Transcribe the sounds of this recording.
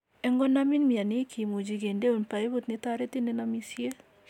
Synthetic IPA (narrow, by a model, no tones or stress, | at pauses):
ɛŋɡɔnaminmianɪkʰimod͡ʒiɡendeonpaeβot̪nɪtaɾɛtinenamisje